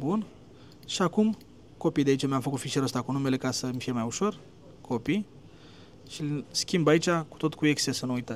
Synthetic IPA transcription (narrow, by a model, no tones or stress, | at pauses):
bun | ʃiakum | ko̞pijd̪eait͡ʃamjamfəkut̪fiʃeɾəst̪akunume̞le̞kasəmʲfijemajuʃo̞r | kʰo̞pij | ʃiskʲimbait͡ʃʲaku̥t̪ot̪kueksesənuujt̪ə